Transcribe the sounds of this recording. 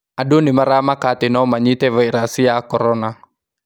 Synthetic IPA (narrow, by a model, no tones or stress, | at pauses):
adunimaɾamakat̪inomaɲit̪eʋɛiɾasiakoɾona